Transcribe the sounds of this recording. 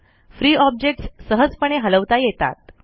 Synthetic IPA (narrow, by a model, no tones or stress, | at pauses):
fɾiːɔb̚d͡ʑek̚ʈssəɦəd͡zpəɽ̃eɦələʋt̪ajet̪a̰t̪̚